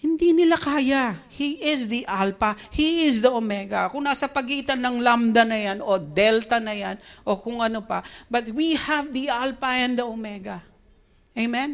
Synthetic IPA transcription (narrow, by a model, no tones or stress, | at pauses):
hɪnd̪inɪlakaːjahiʔɪsd̪iʔalpɐhiɪsd̪ɐʔomɛɡɐkʊŋnaːsɐpɐɡiːt̪ɐnːɐŋlamd̪ɐnɐjano̞d̪ɛlt̪ɐnɐjanʔo̞kʊŋʔɐnopɐbɐt̪̚wihɐvðiʔalpɐʔɛ̃nd̪ɐʔomɛɡɐ | ejmɛ̃n